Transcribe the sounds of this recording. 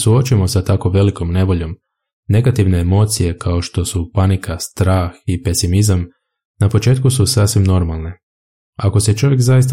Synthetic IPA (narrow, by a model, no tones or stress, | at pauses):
suo̞t͡ʃujemo̞sat̪ako̞ʋe̞liko̞mne̞ʋo̞ʎo̞m | ne̞ɡat̪iʋne̞ːmo̞ːt̪sije̞kʰao̞ʃt̪o̞supanikast̪ɾaːxipe̞simizam | napo̞t͡ʃe̞ːt̪̚kususaːsʋimno̞ɾmalˠne̞ | ako̞set͡ʃo̞ʋjekzajist̪a